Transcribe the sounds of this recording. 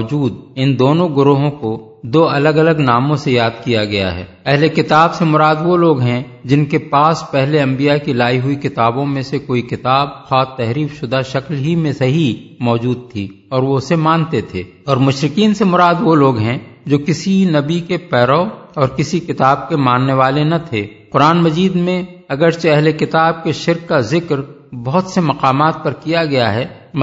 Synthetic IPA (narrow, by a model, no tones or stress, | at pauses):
d͡ʒuːd̪ɪnd̪oːnõɡʊɾoːɦõko | d̪oːɐləɡɐləɡnaːmõsejaːd̪kijaɡɐja̰ɦɛ̰ː | ɛɦlekɪt̪aːbsemʊɾaːd̪ʋoloːɡɦɛ̃ | d͡ʒɪnkepaːspɛɦleɐ̃mbijakilaːiɦʊikɪt̪aːbõmẽsekoːikɪt̪aːb̚xʰaːt̪ːɛɦɾiːfʃʊd̪ʱaʃəklɦimẽsɐɦimɔːd͡ʒuːd̪̚t̪ʰi | ɔːɾʋosemaːnt̪et̪ʰeː | ɔːɾmʊʃɾɪkiːnsemʊɾaːd̪ʋoloːɡɦɛ̃d͡ʒoːkɪsinɐbikepɛːɾɔɔːɾkɪsikɪt̪aːb̚kemãːnːeʋaːlenɐt̪ʰeːqʊɾaːnmɐziːd̪mẽɐɡəɾseɛɦlekɪt̪aːb̚keʃɪɾkːazɪkɾ | bɐɦʊt̪semɐqaːmaːt̪̚pɐɾkijaɡɐjaɦɛː